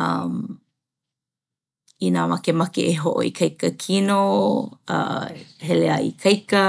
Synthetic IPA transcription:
ɐ̰m | inaːmɐkemɐkḛʔeɦoʔo̰ikʰɐjkəkʰino | ɐ̰heleɐḭkʰɐjkə

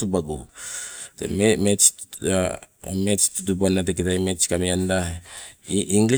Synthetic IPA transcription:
ubaɡu | tḛmemet͡ʃ | met͡ʃtutubonateketajmet͡ʃkamianda | iʔiŋɡli

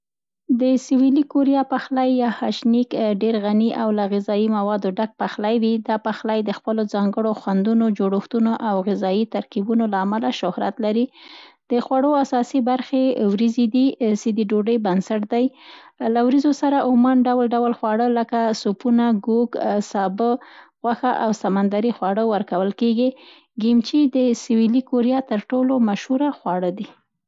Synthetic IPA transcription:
d̪əsɪwilikoɾijɑpaxlajːɑhaʃnikɖeɾɣaniʔawlaɣɪzɑjimawɑd̪oɖak̚paxlajwid̪ɑpaxlajd̪əxpəlozɑŋɡəɽoxwand̪unod͡ʒoɽoxt̪unoʔawɣɪzɑjit̪aɾkibunolaːmalaʃʊhɾa̰t̪laɾid̪̥əxwaɽoasɑsibaɾxewɾizid̪isid̪iɖoɖəjbansaʈd̪ajlawɾizosaɾaʔʊmanɖawlɖawlxwɑɽələkasupunaɡuɡsɑbəɣwaxaʔawsamand̪aɾixwɑɽəwəɾkawəlkeɡi | ɡimt͡ʃid̪əsɪwilikoɾijɑt̪əɾʈolomaʃhuɾaxwɑɽəd̪i

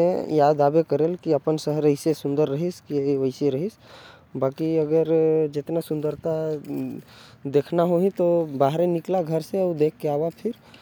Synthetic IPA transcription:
ejaːd̪aːbekəɾelkiəpənsəɦəɾəɪsesʊ̃nd̪əɾːəɦiskiəɪseɾəɦis | baːkiəɡəɾd͡ʒɪt̪nasʊ̃nd̪əɾt̪a | d̪eːkʰnaɦoɦĩt̪obaːɦɾenɪklaɡʱəɾsed̪ekʰːeaːbapʰɪɾ

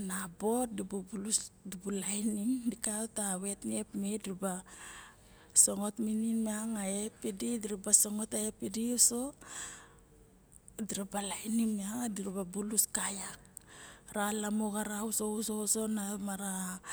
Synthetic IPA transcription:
nabo̞t̚dibubulusdibulajniŋdikawtawe̞tne̞pmediɾba | so̞ŋo̞tmininmeaŋae̞pːedidiɾibaso̞ŋo̞taepediuso̞ | diɾabalajnimeaŋdiɾababuluskajak̚ | ɾalamoɡaɾauso̞uso̞so̞namaɾa

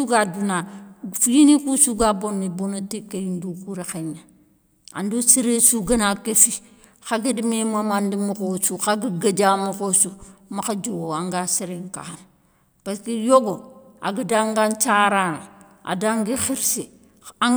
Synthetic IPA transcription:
uɡadunafjinikusuɡabonːibonotikːejindukuɾexeɲa | a̰ndosiɾesuɡanakefi | xaɡedimemamandimukosuxaɡiɡad͡ʒamuxosumakad͡ʒowoaŋɡasiɾeŋka̰han | paskijoɡo | a̰ɡidaŋɡant͡ʃaɾaŋ | a̰daŋɡixiɾsi | a

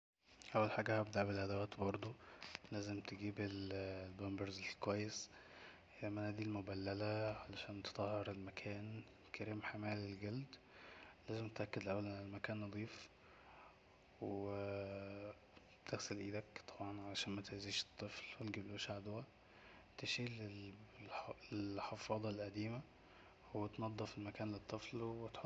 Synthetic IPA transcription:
ʔæwːælħaːɡæhæbd̪aʕbelʔæd̪æwæːt̪bɑɾˤd̪ˤolæːzemt̪eɡiːbellbæmbeɾzekwæjːes | hejːæmænæːd̪ilmobælːælæʕalæʃæːnt̪e̥t̪ˤɑhːeɾelmækʰæːn | kʰæɾiːmħamæːlelɡæld̪ | læːzemt̪ʔækːed̪lʔæwːælælmækæːnːɑd̪ˤiːf | w | t̪eɣselʔiːd̪ækt̪ˤʰɑbʕɑnʕalæʃæːnmæt̪eʕziːʃe̥t̪ˤːɨflwet̪ɡibloːʃaʕd̪wæ | t̪eʃiːl | lelħɑfɑːd̪ˤɑlʔæd̪iːmæ | wet̪nɑd̪ˤːɑfelmækæːnlet̪ˤːɨflwet̪ħo

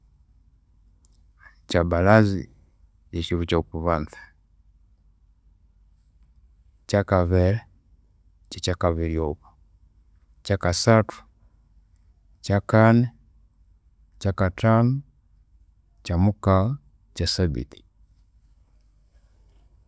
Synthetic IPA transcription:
t͡ʃabalazi | jat͡ʃivut͡ʃaukuβanθḁ | t͡ʃakavɛlɛ | t͡ʃat͡ʃakaviliɔβɔ̥ | t͡ʃakasatu̥ | t͡ʃakanɛ | t͡ʃakatanɔ | t͡ʃamuka | t͡ʃasabḭti̥

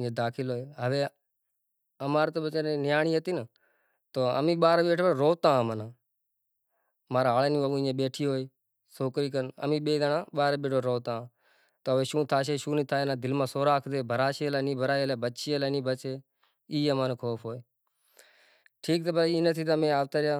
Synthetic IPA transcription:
ẽːd̪aːkʰɪloːeːɦəʋeː | əmaːɾt̪oːɓət͡ʃeneːnɪjaːɳiːɦət̪iːnə | t̪oːə̰mĩːɓaːɾeːɓeːʈʰːbəɾoːt̪ãːmənaː | maːɾaaːleːnĩːəʋũɪ̃ẽːɓeːʈʰiːɦoːiː | soːkɾiːkənə̰mĩːɓeːd̪ənãːɓaːɾeːɓeːʈʰoːɾoːt̪ãː | t̪oːɦəʋeːʃũːt̪ʰaːʃ̬eːʃũːnĩːt̪ʰaːenãːd̪ɪlmãːsoːɾaːkʰd̪eːbʱəɾaːʃeːlaːnĩːbʱəɾaːeleːbətːt͡ʃʰeːəlaːnĩːbət͡ʃeː | iːəmãːnẽːkʰoːpʰɦoːeː | ʈʰiːk̚t̪əːbəɾiːnət̪ʰiːt̪̬amẽːaːʋ̚t̪aːɾjaː

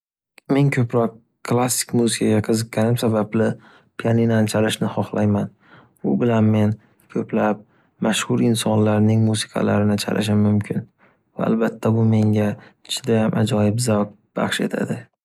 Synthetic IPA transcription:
me̞ŋkʲʰɵpɾɒq̚ | kʰːlˠasːɪ̥kʲmuzɪkʰaɡʲaqʰɨzɨq̚ːʲanɪmsabablɪ | pʰijaninant͡ʃʰalɪʃnɪχɒχlˠajman | ʊbɪlanme̞n | kʲʰɵplap̚ | maʃhʊɾɪnsɒnlaɾnɪŋmuzɪ̥kʰɑ̰la̰ɾɪnɪt͡ʃʰa̰lʔɪ̰ʃ̬ɪmʊmkʲʰɪn | va̰a̰lbat̪ʰːabʊme̞ŋɡʲaɪt͡ʃʰɪd̪ajamʔad͡ʒɒjɪpzaw | b̥a̰χʃe̞̰t̪ʰa̰d̪ɪ

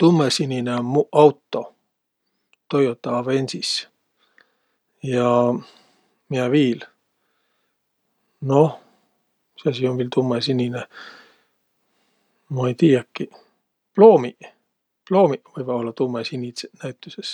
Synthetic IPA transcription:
t̪umːesinʲineomuɑwt̪ːo̞ | t̪o̞jot̪ːɑɑvenʲsis | jɑ | miæviːl | no | seɑsionviːlt̪umːesinine | mɑejt̪iːjɑkːi | plo̞ːmi | plo̞ːmivɯjvɑo̞lːɑt̪umːesinʲisenæjt̪ːˑyses

